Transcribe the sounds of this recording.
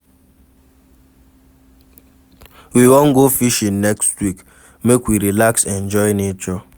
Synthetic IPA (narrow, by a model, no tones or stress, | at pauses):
wiwõnɡofiʃĩnnɛkstwik | mekwiɾilaksɛ̃nd͡ʒɔɪnet͡ʃɔ